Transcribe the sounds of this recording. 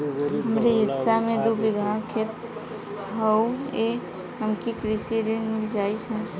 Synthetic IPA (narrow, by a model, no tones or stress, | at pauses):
ɦəmɾiɦɪsːamed̪ubiɡʱakʰet̪ | ɦəwe | ɦəmkikɾisiɾinmɪld͡ʒait͡ʃʰə̃